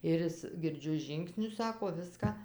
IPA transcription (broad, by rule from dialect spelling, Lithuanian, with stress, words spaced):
ɪr ˈɪs ɡʲɪrʲˈd͡ʒʲʊ ˈʒʲiːŋksʲnʲʊs ˈsɑːkoː ˈʋʲɪskɑː